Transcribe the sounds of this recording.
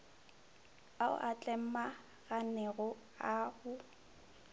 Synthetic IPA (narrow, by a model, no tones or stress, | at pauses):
aʊ̰ʔat͡ɬʼɛm̩ma | ɣanɛɣʊ | ahʊ